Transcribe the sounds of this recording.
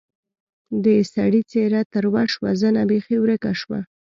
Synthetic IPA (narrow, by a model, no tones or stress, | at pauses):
d̪əsaɽit͡seɾat̪əɾwaʃwazənabexiwɾəkaʃwa̰